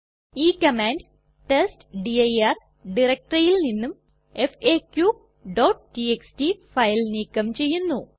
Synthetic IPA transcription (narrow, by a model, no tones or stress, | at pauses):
iːkɐmaːɳɖ | ʈesʈɖiɐjɐr | ɖirɐk̚ʈrɐjilninːum | efeːkju | ɖoːʈʈieksʈifɐjlniːkːɐmt͡ɕe̞jːunːu